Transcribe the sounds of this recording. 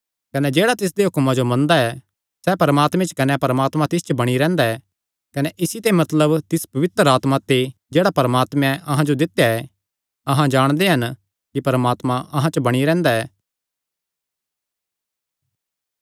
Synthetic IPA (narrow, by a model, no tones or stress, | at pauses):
kɐnɛd͡ʒeːɽat̪ɪs̬d̪eɦʊkmãd͡ʒomɐ̃nd̪aɛ | sɛpɐɾəmaːt̪mɛ̃t͡ʃə̥kɐnɛpɐɾəmaːt̪mãt̪ɪs̬t͡ʃəbɐɽ̃iɾɛ̃ːnd̪aɛː | kɐnɛʔɪsit̪emɐt̪ləbt̪ɪspɐʋɪt̪ɾaːt̪mat̪ed͡ʒeːɽapɐɾəmaːt̪mɛ̃ʔɐɦãd͡ʒod̪ɪt̪ːjaɛ | ɐɦãd͡ʒaːɽ̃d̪eɦɐn | kipɐɾəmaːt̪mãɐɦãt͡ʃəbɐɽ̃iɾɛ̃ːnd̪aɛː